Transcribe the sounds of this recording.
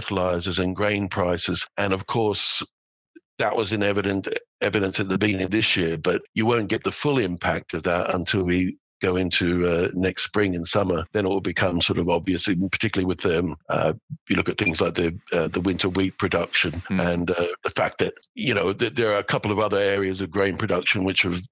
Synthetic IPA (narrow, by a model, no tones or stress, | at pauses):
ɾəlaɪzəzɨ̃nɡɹẽɪ̃npʰɹ̥aɪsɨz̥ʔɨ̃nʌv̥kʰɔɹs | ðəʔwʔʌzɨ̃nɛvɨɾɨ̃nt | ɛvɨɾɨ̃nsɨt̪̚ðɨbĩnɨ̃nðɪsjɪɹbʌt͡ʃɨwõʊ̃nɡ̥ɛt̪̚ðəfʊlˠɪ̃mpʰæk̚tʰʌvðəɾə̰̃ntʰɪlˠwi | ɡ̥oʊɪ̃ntʰʉʌnɛkstspɹɪ̃ŋɨ̃nsʌmə˞ðɨ̃nɪʔ̚wəlˠbɨkʰʌ̃msɔɹɾʌvɑbviɨslipʰə̥tʰɪkjl̩ˠiwɨðɨmʌ̰jɨlʊkɨt̪̚θɪ̃ŋzlaɪk̚ðɨʌðəwɪ̃ntʰə˞wippʰɹ̥ɨdʌkʃɨ̃nɨ̃nʌðəfæ̰k̚ðɨt̚jɨnoʊðɨðə˞ːɨkʰʌpl̩ˠʌvʌðə˞ɛɹiɨzʌvɡɹẽɪ̃npʰɹ̥ɨdʌkʃɨ̃nwɨt͡ʃɨv̥